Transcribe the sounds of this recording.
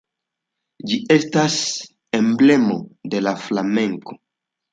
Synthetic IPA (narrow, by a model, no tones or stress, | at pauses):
d͡ʒie̞stas | e̞mble̞mo̞de̞laflame̞ŋko̞